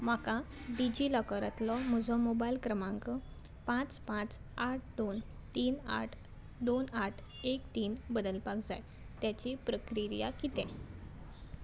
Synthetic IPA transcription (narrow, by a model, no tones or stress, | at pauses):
m̤akãɖid͡ʑiləkəɾət̪lɔmud͡zʱɔmobailkɾəmãŋkə | pãt͡spãt͡s | aʈ̚ʰd̪on | t̪iːna̰ʈʰ | d̪onaʈʰ | ekt̪iːnbəd̪əlpakd͡zaj | t̪jat͡ɕipɾəkɾiɾja̰kit̪ɛ̃